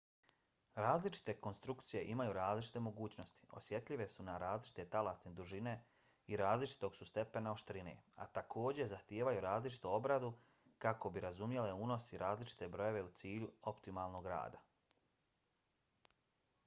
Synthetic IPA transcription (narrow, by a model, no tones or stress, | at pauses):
ɾaːzlit͡ʃi̥t̪e̞ko̞nst̪ɾukt̪sije̞ʔimajuɾaːzlit͡ʃi̥t̪e̞mo̞ɡuːt͡ɕno̞st̪i̥o̞̰sje̞t̪ʎiʋe̞sunaɾaːzlit͡ʃi̥t̪e̞t̪alast̪ned̪uʒine̞ | iɾaːzlit͡ʃi̥t̪o̞ɡsust̪e̞pe̞nao̞ʃt̪ɾine̞̰a̰t̪akʰo̞ːd͡ʑe̞zaxt̪jeːʋajuɾaːzlit͡ʃi̥t̪uo̞bɾad̪u | kako̞biɾazumje̞le̞uːno̞siɾʔaːzlit͡ʃi̥t̪e̞bɾo̞je̞ʋe̞ut̪siːʎuo̞pt̪imalˠno̞ɡɾa̰ːd̪a